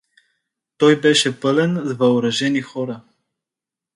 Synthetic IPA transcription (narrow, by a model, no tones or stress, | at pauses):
t̪ɔjbɛʃɛpɤlɛnzvɐoɾɐʒɛnixɔɾə